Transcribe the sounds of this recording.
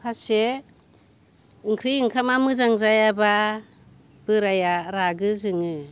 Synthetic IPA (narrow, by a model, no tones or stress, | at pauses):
pʰase | ɯŋkʰɾiɯŋkʰamamɯzaŋzajaba | b̥ɯɾajaɾaɡɯzɯŋɯ